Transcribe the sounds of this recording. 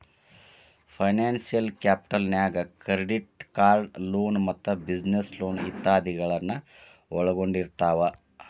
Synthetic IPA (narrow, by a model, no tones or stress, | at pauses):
pʰɐjnaːnsijɐlkjaːpi̥ʈɐlnjaːɡɐkɾeɖiʈ̚kaːɾɖloːnmɐt̪ːɐbid͡ʒnesloːnḭt̪ːaːd̪iɡɐɭɐnːɐ | ɔɭɐɡoɳɖiɾt̪aːʋɐ